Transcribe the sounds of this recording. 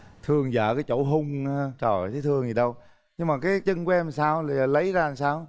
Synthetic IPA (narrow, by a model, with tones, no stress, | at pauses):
t̪ʰɨ˧əŋza̰ː˧˩kaː˨˦jt͡ɕo̰˧˩ɦʊ˧wŋ͡mt͡ɕɔ˨˩˨t̪ʰe˨˦t̪ʰɨ˧əŋzi˨˩ɗə˧w | ɲɨ˧ŋmaː˨˩kaː˨˦jt͡ɕə˧ŋku˨˦ʔɛ˧msaː˧wla˨˩˨lə˨˦jzaː˧˨˩saː˧w